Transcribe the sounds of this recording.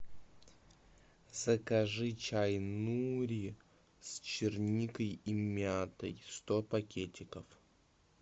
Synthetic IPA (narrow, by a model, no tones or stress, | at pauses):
z̥əkɐʐɨt͡ɕajnuɾʲi | st͡ɕɪrnʲikəjimʲat̪ə̰jst̪opɐkʲʰetʲɪkəf